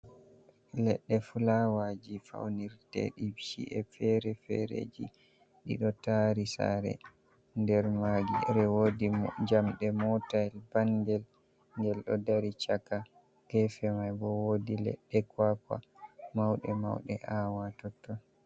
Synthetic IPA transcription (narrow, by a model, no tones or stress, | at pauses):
lɛɗːɛfulawad͡ʒifa̰wniɾtɛ̰ɗibʃḭʔɛfɛɾɛfɛ̰ɾḛd͡ʒi | ɗḭɗɔtaɾisa̰ɾɛ̰ | ndɛɾmaɡiɾɛwodid͡ʒamɗɛmɔtaɛlbandɛl | ŋɡɛlɗɔdaɾit͡ʃakːa | kɛfɛmajbɔwodilɛ̰ɗːɛkwakwa̰mawɗɛma̰wɗɛʔawatɔtːɔ